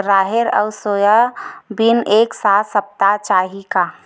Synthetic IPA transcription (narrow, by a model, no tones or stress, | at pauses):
ɾaːɦeɾə̰ʊsoːjabineːksaːt̪ʰsəp̚t̪at͡ʃaːɦika